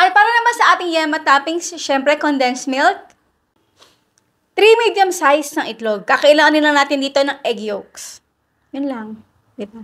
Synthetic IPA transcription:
ʔɐpaːɾɐnɐmansɐʔaːt̪ɪŋjɛmɐt̪aːpɪŋsʃɛmpɾɛkond̪ɛnsmɪlt̪̚ | t̪ːɾimid̪jɐmsajsnɐŋʔɪt̪loɡ̚kakɐʔɪlaːŋɐnɪnlɐŋnaːt̪ɪnd̪iːt̪o̞nɐŋʔɛɡjoks | jʊnlɐŋ | d̪ɪba

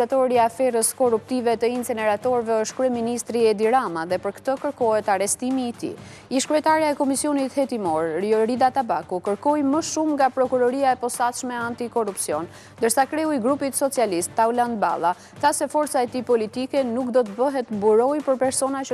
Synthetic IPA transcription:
at̪ɔɾiafɛɾəskɔrup̚t̪ivɛt̪əinsɛnɛɾat̪ɔɾvɛəʃt̪̚kɾyɛminist̪ɾiɛd̪iɾamaðɛpəɾkt̪əkəɾkɔɦɛt̪aɾɛst̪imiːt̪ḭ | iʃkɾyɛt̪aɾjaɛkɔmisjɔnit̪hɛt̪imɔɾɔɾid̪at̪abakukəɾkɔjməʃumŋɡapɾɔkuɾɔɾiaɛpɔsat̪ʃmɛant̪ikɔrupsiɔn | nd̪əɾsakɾɛuiɡɾupit̪sɔt͡sialist̪ːauland̪ba̰lˠa | θasɛfɔɾt͡saɛt̪ipɔlit̪ikɛnukd̪ɔt̪əbəɦɛt̪buɾɔjpəɾpɛɾsɔnat͡ʃə

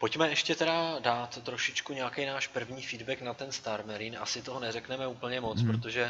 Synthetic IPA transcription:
po̞cmɛɛʃcɛt̪ɛɾadaːt̪ːɾoʃɪt͡ʃkuɲeakɛjnaːʃpr̩vɲiːfiːdbɛknat̪ɛnst̪aɾmɛɾina̰sɪt̪o̞ɦonɛrɛknɛmɛuːpl̩ɲɛmo̞t͡spɾot̪o̞ʒɛ

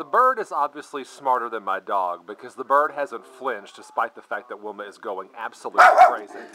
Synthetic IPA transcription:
ðəbɜ˞ɾɨzɑbviɨslismɑɹɾə˞ðɨ̃nmaɪdɔɡ̚bɨkʰʌzðəbɜ˞d̚ɦæzɨ̃ntflɪ̃nt͡ʃd̥ɨspaɪt̪̚ðɨfæk̪̚ðɨt̚wɪlˠmɨ̃nɨzɡoʊɪ̃ŋæ̰b̥səlutikʰɹ̥eɪzi

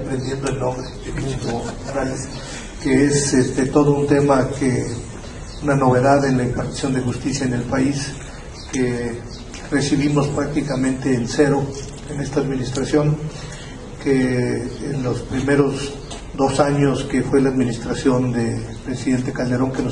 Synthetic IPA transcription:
pɾend̪je̞nd̪oelnõ̞mbɾeðepiit̪opaɾales | keesest̪e̞t̪o̞ðount̪e̞make | unano̞β̞e̞ðaðe̞nlaimpaɾt̪i̥sjo̞nd̪e̞xust̪isjaene̞lpais | ke | re̞siβimo̞spɾak̚t̪ikamẽnt̪e̞ːnse̞ɾo̞ | ene̞st̪aːðminist̪ɾasjoŋ | keː | nlospɾime̞ɾo̞z | d̪o̞saɲo̞ske̞fwe̞laːðminist̪ɾasjo̞nd̪e̞pɾe̞siðe̞nt̪e̞kald̪e̞ɾo̞ŋkeno

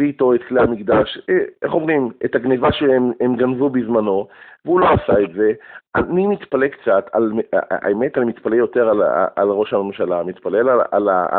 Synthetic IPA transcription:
iːto̞et̪̚klehamiɡd̪aʃeʔeχo̞mʁimetaɡnevaʃeememɡanvubizmano̞veulo̞asaet̪ze̞ʔanimit̪palekt͡sat̪ʰa̰la̰emet̪almit̪palejo̞teʁal̰a̰lʁo̞ʃhame̞mʃalamit̪palelaa̰la̰

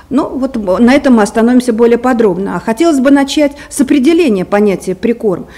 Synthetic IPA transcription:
nuvo̞t̪nɐɛt̪əmɨɐst̪ɐno̞vʲɪmsʲəbo̞lʲɪjəpɐd̪ɾo̞bnə̰axɐtʲelˠəsʲbɨnɐt͡ɕætʲsəpɾʲɪdʲɪlʲenʲɪjəpɐnʲætʲɪjəpɾʲɪko̞rm

